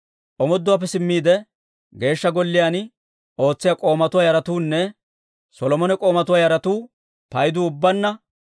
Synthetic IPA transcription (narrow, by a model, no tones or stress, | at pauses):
ʔɔmɔd̪ːʊwaːp̬ːɛsɪmːiːd̪ɛ | ɡe̞ːʃːɐɡɔlːɪjan | o̞ːt͡sːɪjakʼo̞ːmɐt̪ʊwaːjɐɾɐt̪uːnːɛ | sɔlɔmɔnɛkʼo̞ːmɐt̪ʊwaːjɐɾɐt̪uː | pɐjd̪uʊbːɐnːɐ